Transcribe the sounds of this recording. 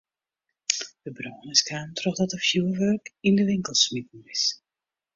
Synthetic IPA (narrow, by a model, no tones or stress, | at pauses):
d̥əbroːnəskaːmtʰrɔχdɔtəfjuəʋørkindəʋɪŋkəlˠsmitn̩ɪs